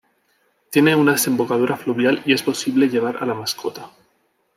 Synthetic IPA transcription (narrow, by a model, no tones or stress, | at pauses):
t̪je̞neunaðe̞se̞mbo̞kað̞uɾafluβjalie̞spo̞siβle̞ʎe̞β̞aɾa̰lamaskʰo̞t̪a